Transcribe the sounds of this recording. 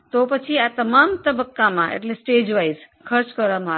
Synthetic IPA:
t̪opət͡ʃʰiat̪əmaːmt̪əbəkːamãʔḛʈlesʈeːd͡ʒʋajz | kʰəɾt͡ʃkəɾʌma

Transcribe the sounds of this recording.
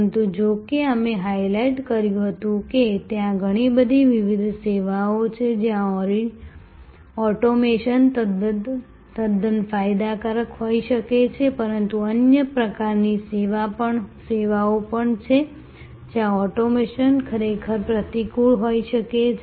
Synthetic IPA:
nt̪ud͡ʒokeəmeɦajlaiʈkəɾjũɦət̪ũket̪jãɡʱəɽ̃ibəd̪ʱiʋiʋid̪ʱseʋaot͡ʃʰed͡ʒjãɔɾ | ɔʈomeʃənt̪əd̪ | t̪əd̪ənfajd̪akəɾəkɦoiʃəket͡ʃʰepəɾənt̪uənjəpɾəkaɾniseʋapəɳseʋaopəɳt͡ʃʰe | d͡ʒjãɔʈomeʃənkʰəɾekʰəɾpɾət̪ikuɭɦoiʃəket͡ʃʰ

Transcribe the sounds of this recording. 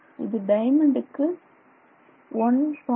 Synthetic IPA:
ɪ̰ðɯɖɐɪmɐɳɖɯkːɯ | ɔnsɔ

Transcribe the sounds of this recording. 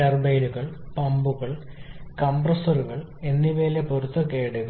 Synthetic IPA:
ɐrbejnuɣɐɭpɐmbuɣɐɭkɐmprɐsɐruɣɐɭ | e̞nːiʋeːlepoɾut̪ːɐkeːɽuɣɐ

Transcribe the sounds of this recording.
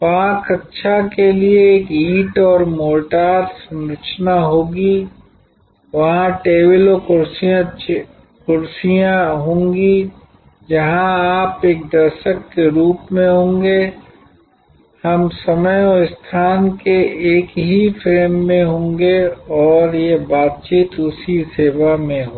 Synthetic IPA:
ʋaɦãkɐtːʃʰakelieːkiːʈɔːɾmoːʈaːɾsɐ̃mɾət͡ʃnaɦoːɡi | ʋɐɦãʈeːbɪlokʊɾsiã | kʊɾsijãɦõːŋɡi | d͡ʒɐɦãaːpeːk̚d̪ɐɾʃəkːeɾuːpmẽɦõːŋɡe | hɐmsɐməjɔɪst̪ʰaːnkeeːkɦifʰɪlmːẽɦõːŋɡeɔːɾjebaːt̪̚t͡ʃiːt̪ʊsiseːʋamẽɦoː

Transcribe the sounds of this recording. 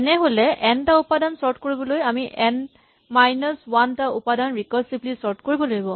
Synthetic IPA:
ɛnɛɦolɛʔɛntaupadansɔɹtkoɹibɔlojamiʔɛn | majnɔswantaupadanɹikɔɹsiblisɔɹtkoɹibɔloɡibɔ

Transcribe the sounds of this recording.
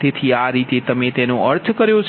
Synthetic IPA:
t̪et̪ʰiaɾit̪et̪əmet̪enõəɾt̪ʰkəɾjot͡ʃʰ

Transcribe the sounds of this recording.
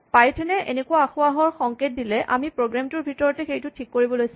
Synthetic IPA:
pajtʰɛnɛʔḛnekʊaaxuaɦɔɹxɔŋket̚dilɛʔa̰mipɹoɡɹamtʊɹbʱitɔɹɔtɛxejtʊtʰikːoɹibɔlojs

